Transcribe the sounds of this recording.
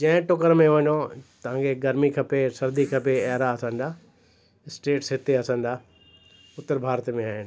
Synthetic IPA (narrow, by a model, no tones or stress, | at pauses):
d͡ʑɐ̃ɦɪ̃ʈʊkəɾmẽʋɐɲot̪ɐʋ̤ãːkʰeɡɐɾmikʰɐpesɐɾd̪ikʰɐpeɐɦɾaɐsãːn̆d̪aː | ɪsʈeːʈsɦɪt̪eɐsãːn̆d̪aː | ʊt̪əɾbʱaːɾt̪mẽaːɦɪnɪ